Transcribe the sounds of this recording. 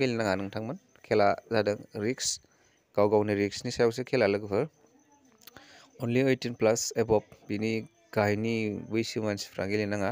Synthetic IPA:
ɡilinaŋanɯŋtʰaŋmɐn | kʰelazadɐŋɾiks | ɡ̥awɡawniɾiksnisajawsekʰelalɯɡpʰɯɾ | onliojtinplasebɔp̚bini | ɡ̥ajnibijsimanspʰɾaɡilinaŋa

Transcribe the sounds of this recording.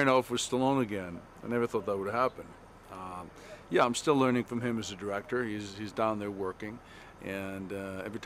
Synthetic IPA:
noʊfwʌz̥stɪlˠõʊ̃nɨɡɛ̃n | ãɪ̃nɛvə˞θɔt̪̚ðət̚wəɾɨ̥hæpɨ̃n | jæãɪ̃mstɪlɜ̃˞nɪ̃ŋfɹʌ̃mɪ̃mɨzɨdə˞ɛk̚tə˞hizizdãʊ̃nðə˞wɜ˞kɪ̃ŋ | ʔɨ̃nɛvɹɨtʰ

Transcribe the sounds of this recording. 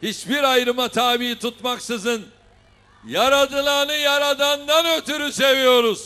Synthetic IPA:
hit͡ʃbiɾajɾɯmat̪ʰaːbiit̪ʰut̪maksɯzɯn | jaɾad̪ɯnˠanɯjaɾad̪and̪anøt̪yɾyse̞vijo̞ɾuz̥

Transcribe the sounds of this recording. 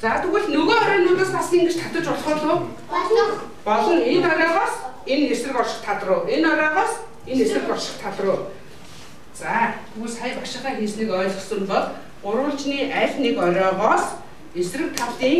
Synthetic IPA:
t͡saːt̪ʰɵɣɘ̆ɮnɵɣoːɔɾʲiːnʊnt̪ə̆sasiːŋɡet͡ɕt̪ʰat̪ə̆t͡ɕʊɮχʊːɮʊː | pɔɮɞ̆net̪ɔɾʲɔːʁɔːsenːersrɘ̆kɔrʃɪ̥̆t̪ʰat̪rʊːenɔɾʲɔːʁɔːs | enesrɘ̆kɔrʃɪ̆χt̪ʰat̪rʊː | t͡saːt̪ʰuɣsajpakʃɪ̆χæːxeːsniːkœːɮɮsɵ̆mpɔɮ | ɢʊɾwʊ̆ɬt͡ɕniːʔæɮʲnekɔɾʲɔːʁɔːs | esrɘ̆k̚t̪ʰawt̪iːŋ

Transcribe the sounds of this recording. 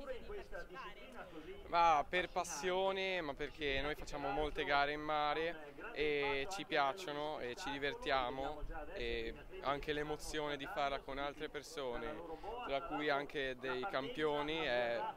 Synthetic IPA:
mapːerpasːjoːnemapːerkʰenoːjfat͡ʃːaːmomolt̪eɡaːɾeimːaːɾe | et͡ʃipjat͡ʃːonoet͡ʃid̪ivert̪jaːmoe | a̰ŋk̟elemot̪sːjoːned̪ifarlakonalt̪ɾepersoːnet̪ɾakːujaŋked̪ejkampjoːniɛ

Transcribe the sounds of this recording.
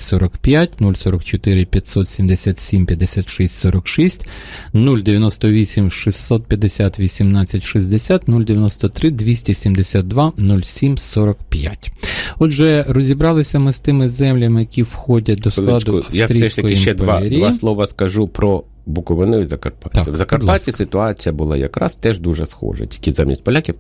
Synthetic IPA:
sɔɾɔkpjatʲnulʲsɔɾɔkt͡ʃɔt̪ɪɾɪpʲjɐtʲsɔt̪sʲimd̪esʲat̪sʲimpʲjɐd̪ːesʲat̪ʃisʲtʲsɔɾɔkʃisʲtʲnulʲd̪eʋʲjɐnɔst̪ɔʋʲisʲimʃisʲsɔt̪̚pʲjɐd̪esʲat̪ʋʲisʲimnɑt͡sʲːɐtʲʃizʲd̪esʲat̪nulʲd̪eʋʲjɐnɔst̪ɔt̪ɾɪd̪ʋʲisʲtʲisʲimd̪esʲat̪̚d̪ʋɑnulʲsʲimsɔɾɔkpja̰tʲɔd̪ʒɛrɔzʲibɾɑlˠɪsʲɐmɪst̪ɪmɪzɛmlʲɐmɪjɐkʲiwxɔdʲɐt̚ʲd̪ɔslˠɑd̪ʊɐfjsat̪ɾʲijsɛʃst̪ɐkɔjɪiʃt͡ʃɛdp̪ɐʋeɾʲijʋɑslˠɔʋɐskɐʒupɾɔ | bʊkɔʋɪnʊjizɐkɐrpat̪ɑkɪʋzɐkɐrpatʲisɪt̪ʊɑt͡sʲijɐbʊlˠɑ̰jɐ̰kɾɑ̰st̪ɛʒd̪uʒɛsxɔ̰ʒɐ̰tʲi̥kʲɪzamʲḭsʲtʲpɔlʲakʲiw

